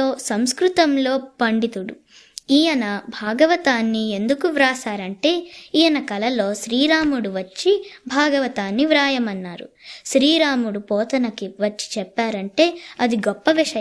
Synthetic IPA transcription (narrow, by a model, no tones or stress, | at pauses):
oːsɐmskɾut̪ɐmlo̞ːpɐɳɖit̪uɽṵ | iːjɐnɐbʱaːɡɐʋɐt̪aːnːie̞nd̪ukuʋɾaːsaːɾɐɳʈe̞ːiːjɐnɐkɐlɐlo̞ːʃɾiːɾaːmuɽuʋɐt͡ʃːibʱaːɡɐʋɐt̪aːnːiʋɾaːjɐmɐnːaːɾṵʃɾiːɾaːmuɽupɔːt̪ɐnɐkiʋɐt͡ʃːi̥t͡ʃɛpːaːɾɐɳʈe̞ːɐd̪iɡɔpːɐʋiʂɐ